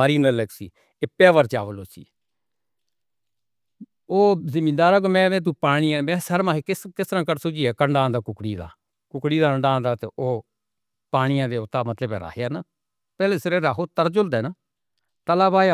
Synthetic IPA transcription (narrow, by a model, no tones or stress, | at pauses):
aːɾiːnələɡsḭː | epɛːʋəɾt͡ʃaːʋəloːsḭː | oːzɪmĩːd̪aːɾaːɡoːmɛ̃ːʋɛ̃ːt̪̬ũːpaːɽ̃iːãːmɛ̃ːsəɾmãːɦekɪskɪst̪əɾãːkəɾsʊd͡ʒiːɛːkəɳɖãːd̪aːkʊkɽiːd̪a̰ː | kʊkɽiːd̪aːəɳɖãːnd̪aːt̪eoː | paːɽ̃ɪjãːd̪eːʊt̪ːaːmət̪ləbɛ̰̃ːɾa̰ːkʰjaːnaː | pɛːleːsəɾeːɾaːkʰoːt̪əɾd͡ʒʊld̪ɛːnaː | t̪əlaːbaːj